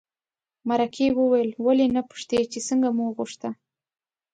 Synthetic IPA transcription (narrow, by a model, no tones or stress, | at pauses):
maɾakʰewəwajəlwalenapʊ̥ʂt̪et͡ʃesəŋɡamuɣuʂt̪a